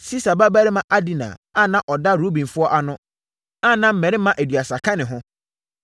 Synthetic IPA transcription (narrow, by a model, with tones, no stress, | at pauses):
si˦sa˨ba˦bæ˦ɾɪ˦mã˨ʔa˦di˨nã̰˨a˦nã˦ʔɔ˨da˦ɾo˦bĩ˨nfʊ˦ɔ˦ʔa˨nʊ̃˦ | a˦nã˨m̩˦mɛ̃˨ɾɪ˦mã˦ʔæ˨dɥa˨sa˨kʰã˦nɪ̃˨ɦʊ̃˦